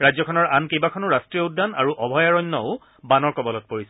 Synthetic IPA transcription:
ɹajzɔkʰɔnɔɹankejbakʰɔnʊɹastɹijɔudːana̰ɹuʔɔbʱɔjaɹɔjnːɔʊ | banɔɹkɔbɔlɔt̚poɹisɛ

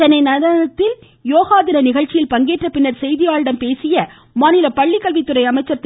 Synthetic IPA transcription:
t̪ɐnːɐɪnɐðɐnɐt̪ːɪl | joːɣaːðɪɾɐnɪɣɐɻt͡ʃːɪjɪlpɐŋɡeːʈrɐpɪnːɐɾsɛjðɪjaːɻɽɐmpeːsɪjɐ | maːnɪlɐpɐɭːɪkːɐlʋɪt̪ːɯɾɐɪɐmɐɪt͡ʃːɐɾt̪ː

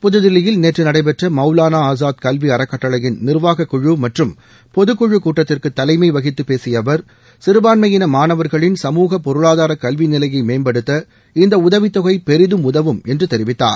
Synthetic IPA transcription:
pʊðɯðɪlɪjɪlneːʈrɯnɐɽɐɪp̬ɛʈrɐmɐʊlaːnaaːzaːt̪kɐlʋiɐɾɐkːɐʈːɐlɐjɪnnɪrʋaːɣɐkːʊɻɯmɐʈrɯm | pɔðɯkːʊɻɯkːuːʈːɐt̪ːɪrkɯt̪ːɐlɐɪmɐɪʋɐɣɪt̪ːɯpeːsɪjɐʋɐɾ | sɪɾɯbaːnmɐjɪnɐmaːnɐʋɐɾɣɐɭɪnsɐmuːɣɐpɔɾɯɭaːðaːɾɐkɐlʋinɪlɐjɐɪmeːmbɐɽɯt̪ːɐ | ɪnd̪ɐʊðɐʋɪt̪ːɔɣɐɪpɛɾɪðɯmʊðɐʋɯmɛndrɯt̪ɛɾɪʋɪt̪ːa̰ːɾ

